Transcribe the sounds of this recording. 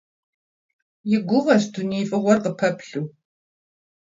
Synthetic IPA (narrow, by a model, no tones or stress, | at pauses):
jɪɡʷʊʁɐɕdʰunifʼɨʁʷɔrqəpʰɐpɬuː